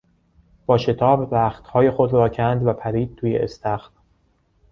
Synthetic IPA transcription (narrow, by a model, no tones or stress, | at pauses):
b̥ɒːʃe̞t̪ʰɒːbːæːxt̪hɒːje̞xod̪ɾɒːcʰænd̪væpʰæɾiːd̪̥̚t̪ʰuːjḛʔest̪ʰæxt̪